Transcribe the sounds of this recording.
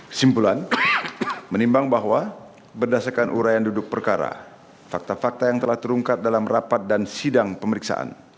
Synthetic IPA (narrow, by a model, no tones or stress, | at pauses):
simpulan | mənimbaŋbaɦwa | bərdasarkanʔuɾajandudʊk̚pərkaɾa̰ | fak̚t̪afak̚t̪ajaŋt̪əlaht̪əɾuŋkat̪̚dalamrapat̪̚dansidaŋpəməɾiksa̰ʔa̰n